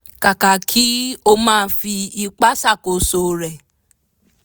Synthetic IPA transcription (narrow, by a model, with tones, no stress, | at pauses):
ka˨ka˨kʰi˦o˧˦mãː˦˨˧fi˧i˧k͡pa˦sa˦˨ko˨so˨ɾɛ˨